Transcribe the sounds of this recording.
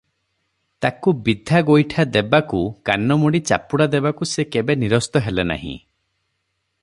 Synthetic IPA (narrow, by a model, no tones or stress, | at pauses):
t̪akubid̪ʱaɡojʈʰad̪ebakukanɔmuɽit͡ʃa̰puɽad̪ebakusekebeniɾɔst̪ɔɦelena̰ɦḭ̃